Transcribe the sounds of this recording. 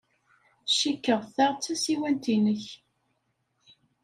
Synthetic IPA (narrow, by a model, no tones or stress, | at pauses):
ʃikːəʁθæʁt͡sːæsiwænt̪inəç